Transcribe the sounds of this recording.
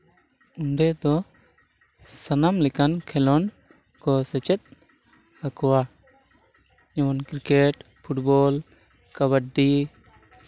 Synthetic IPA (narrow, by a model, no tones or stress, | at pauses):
uɳɖɛd̪ɔ | sanamlɛkankʰɛlɔn | kɔsɛt͡ʃɛt̪̚ | hakɔwa | d͡ʒɛwɔnkɾikeʈ | pʰuʈbɔl | kaβəʈɖi